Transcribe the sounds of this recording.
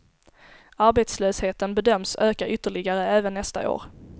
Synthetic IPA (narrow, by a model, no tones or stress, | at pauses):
aɾbeːt̪sløːsheːt̪ənbɛd̪œmːsøːkaɾʔʏt̪ːəɭɪɡaɾəɛːvənːɛst̪a̰ʔo̰ːɾ